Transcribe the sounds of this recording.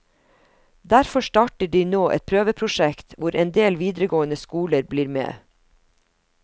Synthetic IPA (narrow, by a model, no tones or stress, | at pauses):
d̪æɾfɔʃtɑːʈəɖiːnoːʔɛ̰t̪̚pʰɾøːʋəpʰɾʊʃɛkt̪ʰʋʊɾʔɛnd̪eːlʋiːd̪ɾəɡoːənəskuːləɾbliːɾmḛː